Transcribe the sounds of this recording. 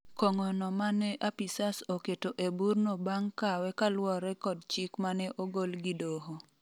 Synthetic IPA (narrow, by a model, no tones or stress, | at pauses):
koŋɔnɔmanɛʔapisasoketoʔeburnobaŋkawɛkalwɔɾɛkɔdt͡ʃikmanɛʔoɡolɡidoɦo